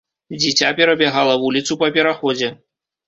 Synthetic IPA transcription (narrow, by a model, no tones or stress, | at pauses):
d͡zʲit͡sʲapʲɛɾɐbʲɛɣalˠɐvulʲit̪supɐpʲɛɾaxɔd͡zʲɛ